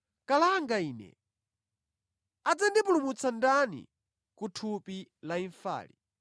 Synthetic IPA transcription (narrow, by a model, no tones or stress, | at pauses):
kalaŋɡaiːnɛ̰ | ad͡zandipulumut͡sandanḭ | kutʰupilaiɱfa̰ːlḭ